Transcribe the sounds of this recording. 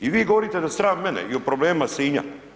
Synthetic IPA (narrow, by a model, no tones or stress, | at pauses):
iʋiːɡoʋoɾit̪ed̪ast̪ɾaːʋmɛnɛ̰iopɾobleːmasiːɲa̰